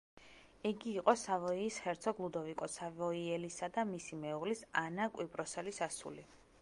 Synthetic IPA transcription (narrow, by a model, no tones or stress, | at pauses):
ɛɡiːqʼɔsavɔiːsχɛɾt̪sʰɔɡlˠud̪ɔvikʼɔsavɔiɛlisad̪amisimɛuʁlisanakʼwipʼɾɔsɛlisasṵli